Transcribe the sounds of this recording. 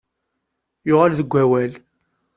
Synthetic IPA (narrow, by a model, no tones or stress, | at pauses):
jʊʁalðəɡʷæwæl